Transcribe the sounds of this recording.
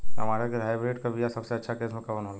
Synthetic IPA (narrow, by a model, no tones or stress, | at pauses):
ɦɐ̰maːɾakeɾɦaːjbɾeːʈkabʱijasɐbseɐtːʃʰakeːsmẽkɐʋənɦoːla